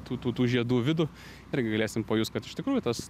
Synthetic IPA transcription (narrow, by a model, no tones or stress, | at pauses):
t̪uːt̪uːt̪uːʒʲiɛd̪uːʋʲɪd̪ʊ | ɪɾʲɡʲɪɡɐlʲeːsʲɪmpɐjuːst̪̚kɐt̪ɪʃt̪ʲɪkɾuːjʊt̪ɐs